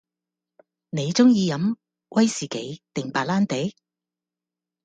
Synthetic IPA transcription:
ne˨˧jt͡sʊ˥ŋjiː˨˧jɐ˨˥m | wʔɐ˥jsiː˨ke˨˥jt̪ɪ˨ŋpaː˧t̚laː˥nt̪e˨˥j

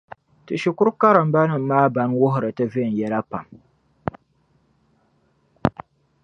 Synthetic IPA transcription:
tɨ˨ʃi˨kʊ˦ɾka˦ɾɨ˨m̩˦ba˦nɨ˨m̩˨˦maː˦ba˦nwʊ˦ɦʊ˨ɾɨ˨tɨ˦ve˦˨n̩˨jɛ˦la˦pa̰˨m

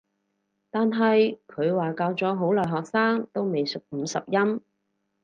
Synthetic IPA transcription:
t̪aː˨nɦɐ˨jkʰɵ˨˧ɥwaː˨kaː˧wt͡sɔː˨˥ɦo˨˥wlɔː˨˩jɦɔː˨k̚saː˥ŋt̪o˥wme˨jsʊ˨k̚m̩˨˧˥sɐ̰˨p̚jɐ˥m

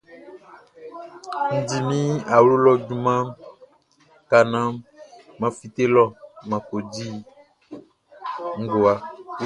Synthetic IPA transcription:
n̩˨d͡ʒi˨mĩ˦a˨wlo˦lɔ˦d͡ʒu˦mã˦ | ka˨nã˦ | mã˨fi˨t̪e˦lɔ˦mã˨ko˨d͡ʒi˦ | ŋ̩˦ɡo˨a˨

